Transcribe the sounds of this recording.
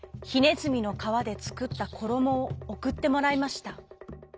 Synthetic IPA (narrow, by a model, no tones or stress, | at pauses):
çine̞zɨmʲino̞kaβ̞ad̪e̞t͡sɨ̥kɯ̟t̪ːakʰo̞ɾo̞mo̞ːkɯ̟t̪ːe̞mo̞ɾaimaɕi̥t̪a